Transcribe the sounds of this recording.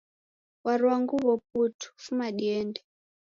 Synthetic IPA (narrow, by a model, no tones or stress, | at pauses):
waɾwaŋɡuβɔp̚utʰu̥fumaɗiɛːndɛ